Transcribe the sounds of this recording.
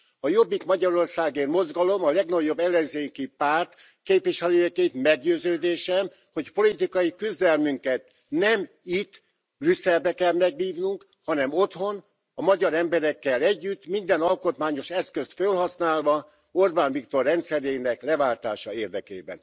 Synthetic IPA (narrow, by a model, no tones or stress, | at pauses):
ɒjo̞bːikmɒɟɒɾo̞rsaːɡeːnmo̞zɡɒlo̞mɒlɛɡnɒɟːo̞bːɛlːɛnzeːŋkipaːrt̪ | keːpʋiʃɛløːɛket̪mɛɡɟøːzøːd̪eːʃɛm | ho̞cpo̞lit̪ikɒjikyzd̪ɛlmyŋkɛt̪ | nɛm | it̪ː | brysɛlbɛkɛlmɛɡɦiːvnuŋk | hɒnɛmo̞t̪ho̞n | ɒmɒɟɒɾɛmbɛɾɛkːɛlɛɟːyt̪ːmind̪ɛnɒlko̞t̪maːɲo̞ʃɛskø̞st̪følɦɒsnaːlvɒ | orbaːnvikt̪o̞rːɛnt̪sɛɾeːnɛklɛvaːlt̪aːʃɒeːrd̪ɛkḛːbɛ̰n